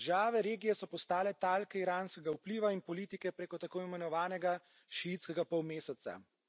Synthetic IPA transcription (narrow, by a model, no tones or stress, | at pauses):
ʒaːʋɛɾeːɡijɛsɔpɔst̪aːlɛt̪alkɛiɾaːnskɛɡaupliʋainpɔliːt̪ikɛpɾeːkɔt̪akoːimɛnɔʋaːnɛɡa | ʃiit̪skɛɡapɔwmeːsɛt̪sa̰